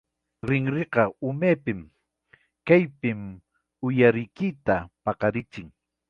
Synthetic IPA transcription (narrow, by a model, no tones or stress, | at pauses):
ɾɪŋɾeqɑʊmeːpɪm | kajpɪm | ʊjaɾɪjkɪt̪apɑqɑɾɪt͡ʃɪŋ